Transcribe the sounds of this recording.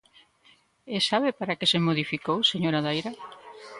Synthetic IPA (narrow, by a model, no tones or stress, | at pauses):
esaβepaɾakesemoðifikowseɲoɾaðajɾa